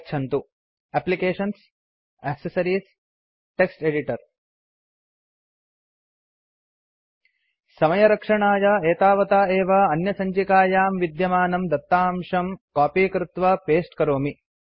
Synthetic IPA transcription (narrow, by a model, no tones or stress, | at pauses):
kt͡ʃʰɐnt̪u | æːplikeːʂɐns | ɛːksɐsɐɾiːs | ʈeksʈeɖiʈɐɾ | sɐmɐjɐɾɐkʂɐɳaːjɐeːt̪aːʋɐt̪aːeːʋɐɐnjɐsɐɲt͡ʃikaːjaːmʋid̪jɐmaːnɐmd̪ɐt̪ːaːmʂɐmkaːpiːkɾut̪ʋɐpeːsʈkɐɾoːmi